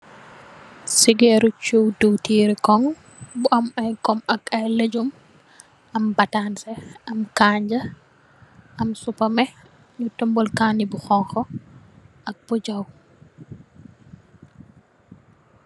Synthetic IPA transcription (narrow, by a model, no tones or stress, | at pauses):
siɡɛɾut͡ʃuwduwtiːɾikɔŋ | buʔɐmɐjkɔmɐkɐjled͡ʒum | ɐmbɐtansɛɐmkaɲd͡ʒɐ | ʔɐmsupɐmɛ | ɲutɔmbɔlkaːnibuxɔŋxɔ | ɐk̚b̥uɟaw